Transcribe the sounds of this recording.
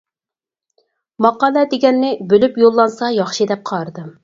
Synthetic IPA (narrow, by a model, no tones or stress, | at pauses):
mɑqɑːlˠɛd̪eɡʲɛnːɪbølypjolˠːɑnsɑjɑχʃɨd̪ɛp̚qʰɑɾd̪ɨ